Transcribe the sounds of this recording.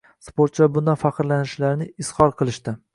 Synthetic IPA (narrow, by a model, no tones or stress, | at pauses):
spoɾt̪t͡ʃabʊnd̪afaqɨɾlanɪʃlaɾnɪɪshɒɾqʰɨlˠɪʃt̪ɪ